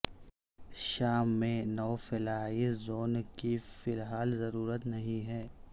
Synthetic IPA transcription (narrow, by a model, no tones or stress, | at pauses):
ʃaːmːẽnɔːfɪlaːizoːnkifɪlɦaːlzɐɾuːɾət̪nɐɦĩɦɛː